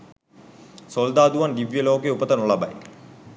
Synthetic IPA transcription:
sold̪aːd̪uʋand̪iʋjəloːkeupət̪ɐnolaba̰j

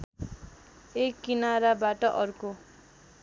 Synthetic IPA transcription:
ekːinaɾabaʈʌʔʌrko

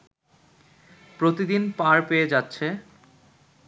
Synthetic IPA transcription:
pɾot̪id̪inpãɾpeed͡ʑatːɕʰe

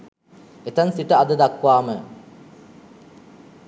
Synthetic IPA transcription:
et̪ɐnsiʈəad̪əd̪akʋaːmə

